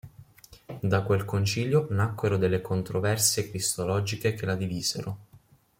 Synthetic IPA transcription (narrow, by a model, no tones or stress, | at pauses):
d̪akwelkont͡ʃiʎjonakːweɾod̪elːekʰont̪ɾovɛrsekɾist̪olɔːd͡ʒikekelad̪iviːz̥ḛɾo